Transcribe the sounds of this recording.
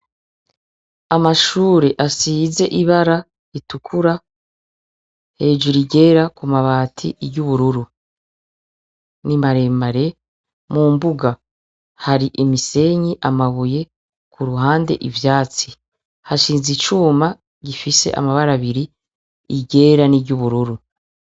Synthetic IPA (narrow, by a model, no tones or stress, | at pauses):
amaʃuːɾe̞ʔasiːze̞ʔiβaɾa | itukʰuɾa | he̞ːd͡ʒuɾiɟe̞ːɾakumaβaːtʰḭɟuβuɾuɾu | nimaɾe̞ːmaɾe̞ | muːmbuɡa | haɾiʔimise̞ɲiʔamaβuje̞ | kuɾuɦaːnde̞̰ʔivjaːt͡si | haʃiːnzit͡ʃuːma | ɟifise̞̰ʔa̰maβaɾaβiɾi | iɟe̞ːɾaniɟuβuɾuɾu